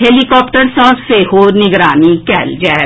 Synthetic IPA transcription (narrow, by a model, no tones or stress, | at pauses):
ɦeːlikɔːpʈəɾsɔ̃ːzseɦoːnɪɡɾaːnikɛːld͡ʒɛː